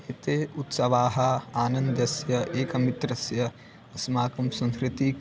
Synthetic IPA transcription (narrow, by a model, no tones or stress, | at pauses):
eːt̪eːut̪sɐʋaːɦɐaːnɐnd̪jɐsjɐʔeːkɐmit̪ɾɐsjɐ | ɐsmaːkɐmsɐ̃nskɾɪt̪iːk